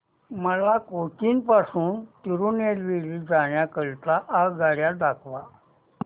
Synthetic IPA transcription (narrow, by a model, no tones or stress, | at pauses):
məlakotiːnpasuːnt̪iɾunelʋiliːd͡zaɳjakəɭt̪aʔaɡaɽjaɖakʰʋa